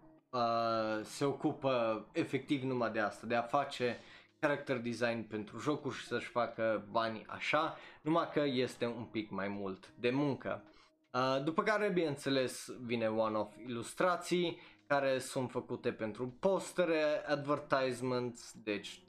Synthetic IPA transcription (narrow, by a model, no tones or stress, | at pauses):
əse̞o̞kupəefe̞k̚t̪ivnumad̪e̞ast̪ad̪eafat͡ʃe̞ | kaɾak̚t̪erd̪izajnpe̞nt̪ɾuʒo̞kurʲʃi̥səʃfakəbanʲa̰ʃanumakəje̞st̪e̞umpikmajmult̪d̪e̞muŋkə̰ | əd̪upəkaɾebineɨnt̪se̞le̞svine̞wano̞filust̪ɾat̪sijkaɾe̞sunt̪fəkut̪e̞pe̞nt̪ɾupo̞st̪eɾead̪vərt̪ajzment̪sd̪e̞t͡ʃʲ